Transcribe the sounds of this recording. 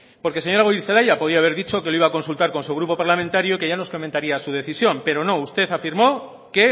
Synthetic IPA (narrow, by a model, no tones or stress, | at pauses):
po̞ɾke̞se̞ɲo̞ɾaɣoiɾθelajapo̞ð̞iaβe̞ɾðit͡ʃo̞ke̞loiβako̞nsult̪aɾko̞nsuɣ̞ɾupo̞paɾlamẽnt̪aɾjo̞ikeʝano̞skoment̪aɾiasuð̞e̞θisjo̞mpe̞ɾo̞no̞ust̪e̞θafiɾmo̞ | ke̞